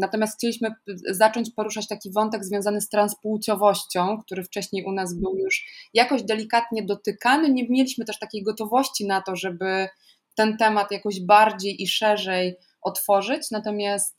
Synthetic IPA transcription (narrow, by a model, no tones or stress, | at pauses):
nat̪ɔmʲast̪xt͡ɕelʲiɕmɘzat͡ʂɔɲt͡ɕpɔɾuʂat͡ɕt̪akʲivɔnt̪ɛɡzvʲjɔ̃w̃zanɘst̪ɾãnspuwt͡ɕɔvɔɕt͡ɕɔ̃w̃k̚t̪uɾɘft͡ʂɛɕɲejʔunazbɘwjuʂjakɔʑd̪ɛlʲikat̪ɲɛd̪ɔt̪ɘkanɘɲɛmʲjɛlʲiɕmɘt̪ɛʂt̪akʲejɡɔt̪ɔvɔɕt͡ɕinat̪ɔʐɛbɘ | t̪ɛnt̪ɛmat̪jakɔʑbaɾd͡ʑejʔiʂɛʐɛj | ʔɔt̪fɔʐɘt͡ɕnat̪ɔmʲjast̪